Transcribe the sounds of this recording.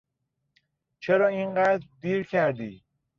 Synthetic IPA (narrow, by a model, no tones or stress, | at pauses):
t͡ʃʰeɾɒːiːnɢæːd̪ɾd̪iːɾcʰæɾd̪iː